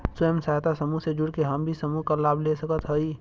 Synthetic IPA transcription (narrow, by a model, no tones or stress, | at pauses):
səjəmsaɦt̪asəmuɦsed͡ʒʊɽkeɦəmbʱisəmuɦkalaːbʱlesəkət̪ɦəi